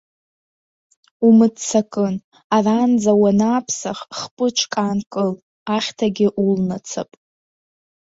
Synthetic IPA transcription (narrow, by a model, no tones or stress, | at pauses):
umɨdt͡sʰakʼɨn | arand͡zawanaːpʰsaχχpʼɨt͡ʃʷʰkʼankʼɨl | aχʲtʰaɡʲɪʔulnat͡sʰapʼ